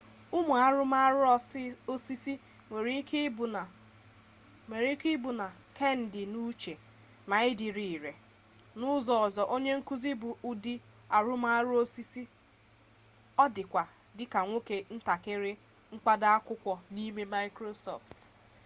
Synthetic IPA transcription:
ʊ˦mʊ˨a˨ɾʊ˦ma˦ɾʊ˦o˦si˦si˦ | ŋʷe˨ɾi˦kba˨ | e˨ɾi˦kɪ˦bʊ˨na˨ | ke˦n̩˨dɪ˨nu˦t͡ʃe˨ | ma˨ɪ˦dɪ˨ɾi˨ɾe˨ | nʊ˦zɔ˨ɔ˨zɔ˨ʔo˦ɲe˦ŋ̩˦ku˦zi˦bʊ˨ʔu˨dɪ˦ | a˨ɾʊ˦ma˦a˦ɾʊ˦o˦si˦si˦ | ɔ˦dɪ˨kʷa˨ | dɪ˦ka˨ŋʷo˦ke˨n̩˦ta˨kɪ˦ɾɪ˦ | ŋ̩˦k͡pa˦da˦a˦kʷʊ˦kʷɔ˨ni˦me˦ma˦ɪ˦kɾo˦sɔ̰˨ft

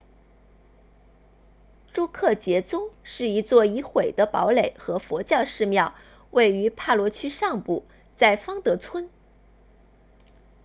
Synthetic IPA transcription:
ʈ͡ʂu˥kʰɤ˥˩t͡ɕjɛ˧˥t͡sʊ˥ŋʂɻ̩˥˩i˧˥t͡swɔ˥˩i˧˥xwe˨˩ɪd̪ə˦pɑ˧˥ʊle˨˩ɪxɤ˧˥fwɔ˧˥t͡ɕjɑ˥˧ʊʂɻ̩˥˧mjɑ˥˧ʊ | we˥˩ɪy˧˥pʰa˥˩lwɔ˧˥t͡ɕʰy˥ʂɑ˥˧ŋpu˥˩ | t͡sa˥˩ɪfɑ˥ŋt̪ɤ˧˥t͡sʰwə˥n

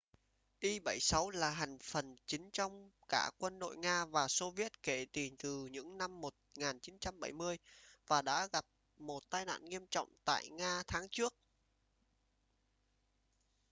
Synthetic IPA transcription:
ʔi˧ɓə˧˩jsa˨˦wlaː˨˩ɦa˨˩jŋ̟fə˨˩nt͡ɕï˨˦ŋ̟t͡ɕɔ˧wŋ͡mkaː˧˩kwə˧nɗo̰˧˨jŋaː˧vaː˨˩so˧vi˦˥ət̚ke˧˩t̪i˨˩nt̪ɨ˨˩ɲɨ̰˧˥ŋna˧mːo˨˩t̚ŋaː˨˩nt͡ɕi˨˦nt͡ɕa˧mɓə˧˩jmɨ˧əjvaː˨˩ɗa̰ː˧˥ɣa˨˩p̚ | mo˨˩t̚t̪aː˧jna̰ː˧˨nŋi˧əmt͡ɕɔ̰˧˨wŋ͡mt̪a̰ː˧˨jŋaː˧t̪ʰaː˨˦ŋt͡ɕɨ˦˥ək̚

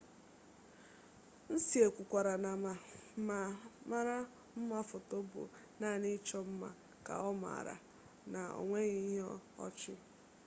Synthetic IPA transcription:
n̩˦si˦e˨kʷʊ˨kʷa˨ɾa˨na˨ma˨ma˨ma˦ɾa˦ | m̩˦ma˦fʊ˨tɔ˦bʊ̰˨ | na˦˨nɪ˦t͡ʃɔ˦m̩˦ma̰˨ | ka̰˨ɔ˦ma̰˨ɾa̰˨ | na˨o̰˨ŋʷe˦ɣi˦ɦɔ˦ɔ̰˦t͡ʃɪ˦

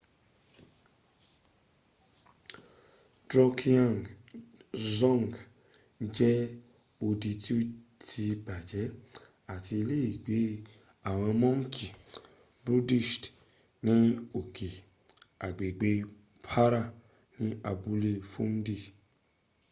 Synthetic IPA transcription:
dɾɔ˧kʰi˧ã˦˨ŋ | zɔ̃˦˨ŋɡ | d͡ʒɛ˦ | o˧di˧ti˦o˦tʰi˧ba˨d͡ʒɛ˨˦ | a˦˨ti˧le˦i˦˨ɡ͡be˨˦ | a˦˨w̃ɔ̃˧mɔ̃˦ŋ̩˦kʰi˨ | bɾu˦di˦˨ʃt | nĩ˨˦o˨kʰi˨ | a˨ɡ͡be˨ɡ͡be˧˦ | pʰa˦ɾa˦˨ | nĩ˦a˧bu˧˦le˦fũ˦n̩˦di˦˨

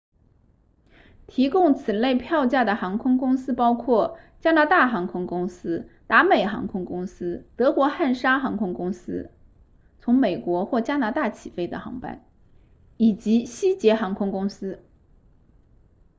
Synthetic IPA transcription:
t̪ʰi˧˥kʊ˥˩ŋt͡sʰɹ̩˨˩le˥˧ɪpʰjɑ˥˧ʊt͡ɕja˥˩d̪ə˩xɑ˧˥ŋkʰʊ˥ŋkʊ˥ŋsɹ̩˥pɑ˥ʊkʰwɔ˥˩t͡ɕja˥na˧˥t̪a˥˩xɑ˧˥ŋkʰʊ˥ŋkʊ˥ŋsɹ̩˥t̪a˧˥me˨˩ɪxɑ̰˧˥ŋkʰʊ˥ŋkʊ˥ŋsɹ̩˥t̪ɤ˧˥kwɔ˧˥xa˥˩nʂa˥xɑ˧˥ŋkʰʊ˥ŋkʊ˥ŋsɹ̩̰˥ | t͡sʰʊ˧˥ŋme˨˩ɪkwɔ˧˥xwɔ˥˩t͡ɕja˥na˧˥t̪a˥˩t͡ɕʰi˨˩fe˥ɪd̪ə̰˨xɑ̰˧˥ŋpa̰˥˩n | i˨˩t͡ɕi˧˥ɕi˥t͡ɕjɛ˧˥xɑ˧˥ŋkʰʊ˥ŋkʊ˥ŋsɹ̩˥

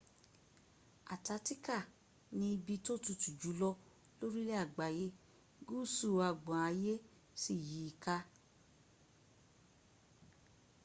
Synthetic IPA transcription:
a̰˨ta˨˦ti˦ka˦˨ | nĩ˧bi˧to˦tu˧tu˨d͡ʒu˨˦lɔ˦ | lo˦ɾi˦le˦a˦˨ɡ͡ba˨je˧˦ | ɡu˦˨su˦˨a˧ɡ͡bã˨a˨˧˦je˦ | si˦˨ji˨˦i˧˨ka˧˦

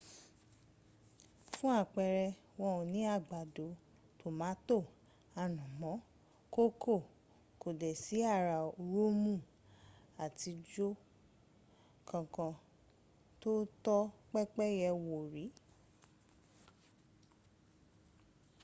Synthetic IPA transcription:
fũ˦a˦˨k͡pɛ˧ɾɛ˧ | wɔ̃˦ũ˧˨nĩ˨˦a˦˨ɡ͡ba˨do˨˦ | to˨mã˨˦to˦˨ | a˧nũ˨mɔ̃˨˦ | ko˦kʰo˦˨ | ko˨dɛ˨si˨˦a˦˨ɾa˨˧ɾo˦mũ˦˨ | a˨ti˧d͡ʒo˦ | kã˨˧kã˧ | to˦tɔ˦k͡pɛ˦k͡pɛ˦jɛ˧wo˨ɾi˨˦

